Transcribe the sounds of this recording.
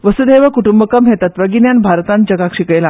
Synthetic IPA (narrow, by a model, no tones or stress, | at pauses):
ʋəsud̪eʋakuʈumbəkəmɦet̪ət̪ʋəɡinjanbʱaɾt̪ãn̚d͡ʑəɡakʂikəjla